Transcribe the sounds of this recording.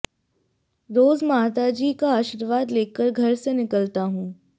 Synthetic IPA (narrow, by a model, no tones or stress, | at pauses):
ɾoːzmaːt̪ad͡ʒiːkaaːʃɪɾʋaːd̪leːkəɾɡʱɐɾsenɪkəlt̪aɦũː